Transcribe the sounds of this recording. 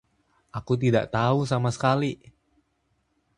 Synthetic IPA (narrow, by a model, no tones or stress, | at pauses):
ʔakut̪̬ida̰ʔt̪aus̬amasə̥kali